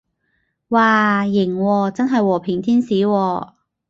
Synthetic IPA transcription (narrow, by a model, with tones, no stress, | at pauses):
waː˨˩jɪ˨˩ŋwɔː˧t͡sɐ˥nɦɐ˨jwɔː˨˩pʰɪ˨˩ŋt̪ʰiː˥nsiː˨˥wɔː˧